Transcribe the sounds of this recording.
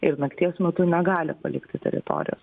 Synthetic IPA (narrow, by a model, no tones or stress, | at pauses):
ɪɾnɐkt̪ʲiɛsmʲɛt̪ʊnʲɛɡɑːlʲɪpɐlʲɪkt̪ʲɪt̪ʲɛ̰ɾʲɪ̰t̪o̰ːɾʲɪ̰jo̰ːs